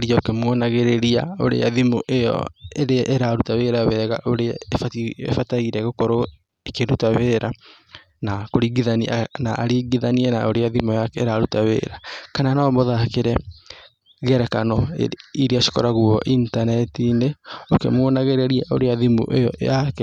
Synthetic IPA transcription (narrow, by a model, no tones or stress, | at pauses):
ɾiaokemwɔnaɣeɾeɾia̰o̰ɾḛaðimoʔejɔ̰eɾeaʔeɾaɾutaweːɾawɛɣa̰ʔoɾeaefaḛfataiɾɛɣokɔɾo | ekeɾutaweːɾa | nakoɾiɡiðaninaʔːɾiɡiðaniɛna̰oɾeaðimojakɛːɾaɾutawḛːɾakananaɔmɔðakeɾɛ | ɣɛɾɛkanɔ̰iɾeaʃi̥kɔɾaɣuɔʔintanɛtineokemwɔnaɣeɾeɾiaʔo̰ɾeaðimo̰ʔḛjɔ̰jakɛ